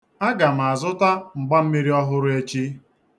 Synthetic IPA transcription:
a˦ɡa˨m̩˨a˨zʊ˦ta˦ŋ͡m̩˨ɡ͡ba˦m̩˦me˦ɾi˦ɔ˦ɦʊ˦ɾʊ˦e˦t͡ʃi˦

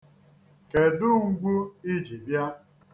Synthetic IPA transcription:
ke˨dʊ˦ŋ̩˦ɡ͡bu˦i˦d͡ʒi˨bja˦

